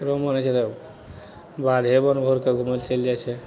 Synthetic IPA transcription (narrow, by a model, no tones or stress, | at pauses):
ɾomənɛt͡ʃʰɛt̪ɔ | bad̪ʱɦebənbʱoɾkeɡʱuməlt͡ʃeld͡ʒat͡ʃʰɛ